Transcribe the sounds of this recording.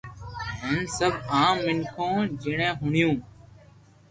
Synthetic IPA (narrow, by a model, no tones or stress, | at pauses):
ɦənsəbʱaːmːɪŋkʰõːd͡ʒɪɳẽːɦʊɳjũː